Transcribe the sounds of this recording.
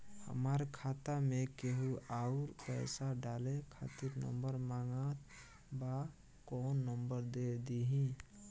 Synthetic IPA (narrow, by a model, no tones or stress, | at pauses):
hə̰maɾkʰat̪amekeɦuaʊɾpɛɪsaɖalekʰa̰t̪iɾnə̰mbəɾmaŋɡat̪ | ba | kɔːnːəmbəɾd̪ed̪iɦĩ